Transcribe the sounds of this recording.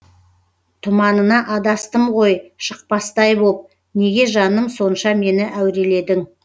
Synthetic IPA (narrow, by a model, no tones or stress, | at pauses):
t̪ʰʊmɑnənɑʔɑd̪ɑst̪əmʁo̞jʃəq̚pɑst̪ɑjbop̚ | ne̞ɡʲe̞ʒɑnəmso̞nʃɑme̞nɪʔæwɾe̞le̞d̪ɪŋ